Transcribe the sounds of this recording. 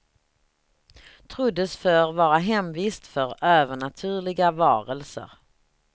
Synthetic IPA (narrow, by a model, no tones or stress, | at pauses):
t̪ʰɾʊd̪ːəsfœːɾvɑːɾaɦɛmviːst̪fœɾøːvəɳat̪ʰʉ̟ːɭɪɡavɑ̰ːɾəlsə̰ɾ